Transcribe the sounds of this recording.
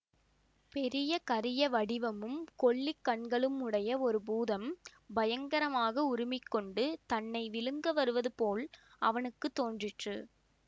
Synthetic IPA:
pɛɾɪjɐkɐɾɪjɐʋɐɽɪʋɐmɯmkɔɭːɪkːɐɳɡɐɭɯmʊɽɐjɐɔɾɯbuːðɐmbɐjɐŋɡɐɾɐmaːɣɐʊɾɪmɪkːɔɳɖɯt̪ɐnːɐɪʋɪlɯŋɡɐʋɐɾɯʋɐðɯpoːl | ɐʋɐnɯkːɯt̪ːoːndrɪʈrɯ

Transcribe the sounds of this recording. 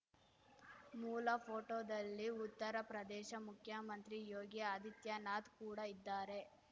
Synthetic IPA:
muːlɐpʰoːʈoːd̪ɐlːiut̪ːɐɾɐpɾɐd̪ɛːʃɐmukʰjɐmɐnt̪ɾijoːɡiɐd̪it̪jɐnaːt̪kuːɽɐid̪ːaːɾe̞

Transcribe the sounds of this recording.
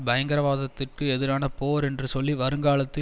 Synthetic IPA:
bɐjɐŋɡɐɾɐʋaːðɐt̪ːɪrkɯɛðɪɾaːnɐpoːɾɛndrɯsɔlːiʋɐɾɯŋɡaːɭɐt̪ːɪ

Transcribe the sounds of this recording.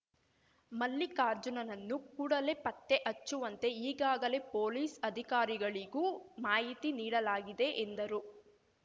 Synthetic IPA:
mɐlːikaːɾd͡ʒunɐnɐnːukuːɽɐle̞ːpɐt̪ːe̞ʔɐt͡ʃːuʋɐnt̪e̞iːɡaːɡɐle̞poːliːsɐd̪ʱikaːɾiɡɐɭiɡuːmaːɦit̪iniːɽɐlaːɡid̪e̞ʔːnd̪ɐɾu

